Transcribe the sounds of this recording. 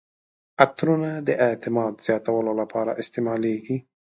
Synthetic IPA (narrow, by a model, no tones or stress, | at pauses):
at̪ɾunad̪əʔɪt̪ɪmɑd̪z̥jɑt̪awəlolapʰɑɾa̰ʔɪst̪emɑleɡi